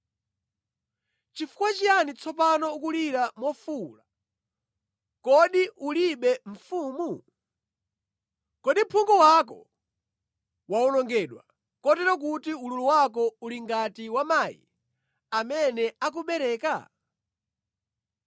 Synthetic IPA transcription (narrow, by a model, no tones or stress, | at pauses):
t͡ʃifu̥kwat͡ʃijanit͡sʰɔpanɔukuliɾamɔfula | kɔɗiʔuliɓɛɱ̩fuːmu | kɔɗim̩pʰuŋɡɔwakɔ | waɔnɔŋɡɛɗwa̰ | kɔtɛɾɔk̬utiululuwakɔuliŋɡatiwamajḭ | amɛnɛak̬uɓɛɾɛːka̰